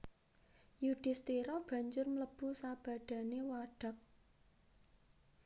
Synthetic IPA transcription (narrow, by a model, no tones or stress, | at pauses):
juɖ̥ɪ̤st̪iɾɔb̥ä̤ɲd͡ʒʊrmələb̥ṳsab̥ä̤ɖ̥ä̤newaɖ̥a̤k̚